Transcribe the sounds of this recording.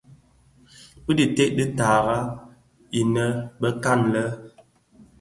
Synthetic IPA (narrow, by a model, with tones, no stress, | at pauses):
bi˦di˨te˦ʔdi˦ta˨ɣa˦ | i˨nə˦bə˦ka˦˨nlə˦